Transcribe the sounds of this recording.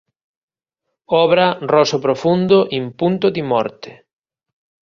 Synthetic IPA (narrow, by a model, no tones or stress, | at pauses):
ɔβɾɐrɔsopɾofund̪oʔimpunt̪ʊðimɔ̰ɾt̪e̥